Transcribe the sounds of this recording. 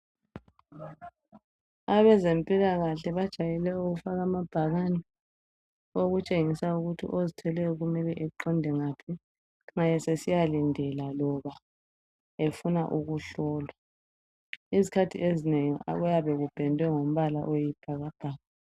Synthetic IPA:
aβɛzempʼilaɣaɬɛβad̥ʒ̥ʱajɛlɛuɣufaɣamab̥ʱaɣanɛ | oɣut͡ʃʼeŋisauɣutʰḭʔozitʰɛlɛjɔɣumɛliʔɛǃɔndʱɛŋapʰi | ŋajɛsesijalindʱɛlalɔβa | efunaʔuɣuɬɔːlwa | izikʰatʰḭezineŋia̰ɣujaβɛɣub̥ʱɛndʱwɛŋom̩βala̰ʔojib̥ʱaɣab̥ʱaːɣa

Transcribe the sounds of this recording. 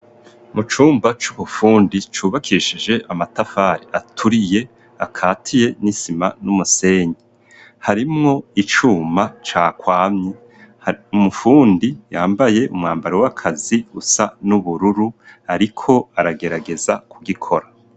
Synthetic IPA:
mut͡ʃuːmbat͡ʃuβufuːndit͡ʃuːβakʰiʃid͡ʒe̞ʔamatafaɾiʔatʰuɾije̞ | akʰaːtʰije̞nisima̰numuse̞ːɲi | haɾimŋo̞it͡ʃuːmat͡ʃaːkwaːmɲe | umufuːndijaːmbaje̞ʔumŋaːmbaɾewakʰaziɡusanuβuɾuɾuaɾikʰo̞aɾaɡe̞ɾaɡe̞zakʰuɡikʰo̞ɾa

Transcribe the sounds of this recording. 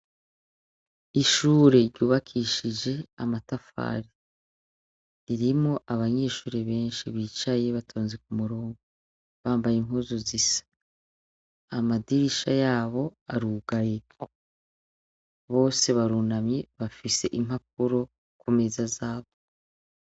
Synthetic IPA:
iʃuːɾeɾɟuːβakʰiʃid͡ʒe̞amatafa̰ːɾi | iɾimŋo̞ʔaβaɲe̞ːʃuːɾeβe̞ːnʃiβiːt͡ʃaje̞βatʰoːnzik̚umuɾoːŋɡu | βaːmbajemuːzuzisḁ | amadiɾiʃajaːβo̞aɾuɡaje | βo̞ːse̞βaɾunamɲeβafise̞̰ʔim̥hap̚uɾo̞ | kumezazaːβo

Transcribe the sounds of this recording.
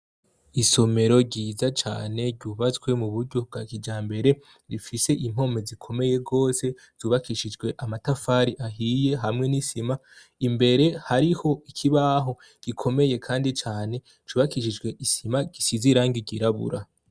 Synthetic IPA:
iso̞me̞ɾo̞ɟiːzat͡ʃa̰ːne̞ɾɟuːβat͡sɡwe̞muβuɾɟo̞b̚ɡakid͡ʒaːmbe̞ɾe̞ | ɾifise̞ʔim̥ho̞me̞zikʰo̞me̞jeɡo̞ːse̞ | z̥uːβakiʃid͡ʒɡwe̞ʔamatafaːɾiʔaɦije̞ɦamŋe̞nisima | imbe̞ɾe̞haɾiho̞ikʰiβaɦo̞ | ɡ̥ikʰo̞me̞je̞kʰaːndit͡ʃaːne̞ | t͡ʃuːβakiʃid͡ʒɡwe̞ʔisimaɟisiziɾaːŋɡiɟiɾaβṵɾa

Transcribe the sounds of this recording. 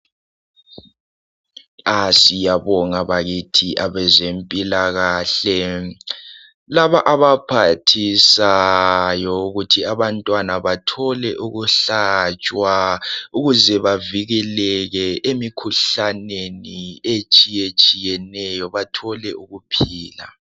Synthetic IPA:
asijaβɔŋaβaɣitʰiʔaβɛzempʼilaɣaːɬɛ | laβaʔaβapʰatʰisajɔuɣutʰiaβantʼwanaβatʰɔlɛʔuɣuɬat͡ʃʼwauɣuzɛβaviɣɛlɛɣɛʔemikʰuɬaneniet͡ʃʼijet͡ʃʼijɛnɛjɔβatʰɔlɛʔuɣupʰiːla̰

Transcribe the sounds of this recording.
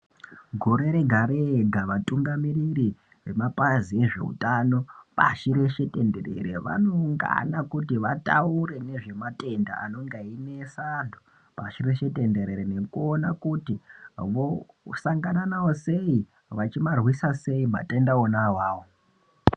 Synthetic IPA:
ɡʱoɾe̞ɾe̞ɡʱaɾeɡʱaʋatʼuŋɡamiriri | ʋe̞mapazie̞ʐe̞̰ṵtano̞pa̰ʃiɾe̞ʃe̞te̞nderḛɾḛʋa̰noŋɡa̰nakutiʋata̰uɾe̞ne̞ʐe̞matʼe̞nda̰ʔa̰no̞ŋɡainesando | paʃire̞ʃe̞te̞nde̞ɾe̞ɾene̞kuonakutiʋo | saŋɡananawo̞se̞i | ʋat͡ʃimarwisase̞ima̰tendaonawaːwo

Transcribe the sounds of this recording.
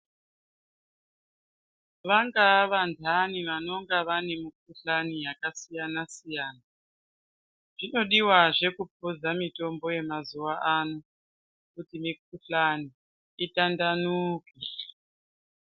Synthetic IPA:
ʋaŋɡaʋandʰʱaniʋano̞ŋɡaʋanemuk̚uɬanijakasijanasijaːna | ʐ̥ino̞ɗiwaʐe̞kup̚ʰud͡zamito̞mbo̞je̞mazuwaʔano | kutimik̚uɬaniː | tandanuːki

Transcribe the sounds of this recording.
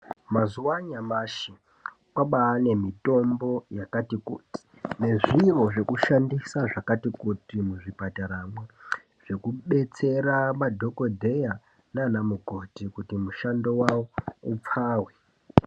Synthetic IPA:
mazuwaɲamaʃi | kwaɓaːne̞mito̞mbo̞jakatikuːti̥ | ne̞ʐiro̞ʐe̞kuʃandisaʐakatikutimuʐipataɾamwe | ʐ̥e̞kuɓe̞t͡se̞ramadʱo̞ko̞dʱe̞ja | nanamuɡʱo̞tikutimuʃando̞wawoup͡faːwe

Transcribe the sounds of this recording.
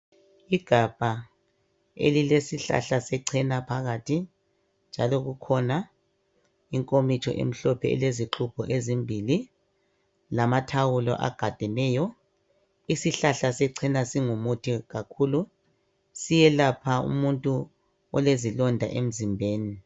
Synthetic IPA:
iɡ̥ʱab̥ʱa | ḛlilesiɬa̰ɬasɛǀʰɛnapʰaɣatʰi | nd͡ʒʱalɔɣukʰɔna | iŋkʼomit͡ʃʰʼɔ̰ʔḛm̩ɬɔpʰɛɛ̰leziǁʰupʰɔʔezimbʱili | lamatʰawulɔ̰ʔa̰ɡ̥ʱad̥ʱɛnɛːjɔ | isiɬaɬasɛǀʰɛnasiŋumutʰiɣakʰuːlu | sijɛlapʰaṵmuntʼu | ɔlezilɔndʱa̰ʔem̩zimbʱeːni

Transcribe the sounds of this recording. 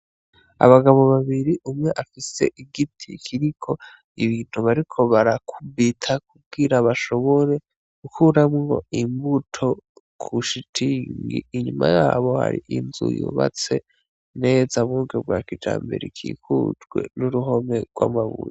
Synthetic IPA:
a̰βaɡaβo̞βaβiɾiʔumŋe̞ʔafise̞̰ʔiɡitʰikʰiɾikʰo̞ | iβiːn̥huβaɾikʰo̞βaɾakʰubitʰak̚ub̚ɡiɾaβaʃo̞βo̞ɾe̞ | ɡ̥ukʰuɾamŋo̞̰imbutʰo̞ | kʰuʃitʰiŋɡiːɲuma̰jaːβo̞ha̰ɾḭʔinzujṵːβa̰t͡se̞ | ne̞ːzaβuɡeb̚ɡwaːkid͡ʒa̰ːmbe̞̰ɾikʰḭːkʰud͡ʒɡwe̞̰nuɾuɦo̞me̞ɡ̥wa̰maβṵje

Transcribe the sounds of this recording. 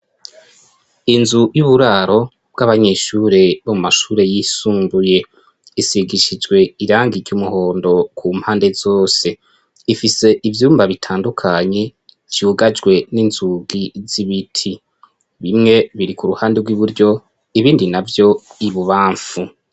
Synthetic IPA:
inzujuβuɾaːɾo̞ | b̥̚ɡaβaɲeʃuːɾe̞βomumaʃuːɾe̞jisuːmbuje̞ | isiɡiʃid͡ʒɡwe̞iɾaːŋɡiɾɟumuho̞ːndo̞kʰuːm̥haːnde̞z̥o̞ːse̞ | ifise̞ʔivjuːmbaβitʰaːndukʰaɲe̞ | d͡ʒjuɡad͡ʒwe̞ninzuɡiz̥iβitʰi | βimŋe̞βiɾikuɾuhaːndeɡwiβuɾɟo̞ | iβiːndinavjo̞iβuβaːɱfu

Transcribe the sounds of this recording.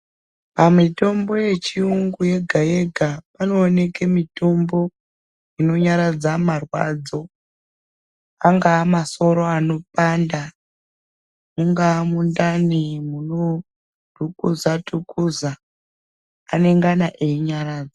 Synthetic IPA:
pamito̞mbo̞je̞t͡ʃiuŋɡuje̞ɡʱajeɡʱapano̞ːne̞ke̞mito̞mbo̞ | ino̞ɲaɾad͡zamarwa̰d͡zo̞ | aŋɡaːmaso̞ɾo̞ano̞panda | muŋɡamundanimuno | dʱukuzatʰukuza | ane̞ŋɡanaʔeiɲaɾaːd͡zo

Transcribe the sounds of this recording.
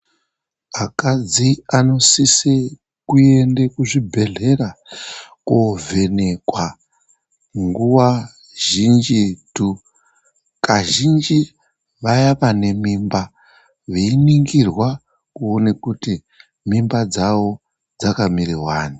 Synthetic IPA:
akad͡ziano̞sise | kuendekuʐibʱe̞ɮe̞ɾa | kove̞nekwa | ŋɡuwa | ʒ̥ind͡ʒitu | kaʒind͡ʒi | ʋajaʋane̞mimba | ʋeiniŋɡirwa | kuonekuti | mimbad͡zawo̞ | d͡zakamirirwaːni

